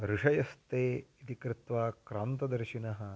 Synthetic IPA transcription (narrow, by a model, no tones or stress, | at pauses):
ɾuʂɐjɐst̪eːit̪ikɾɪt̪ʋaːkɾaːnt̪ɐd̪ɐɾʃinɐɦɐ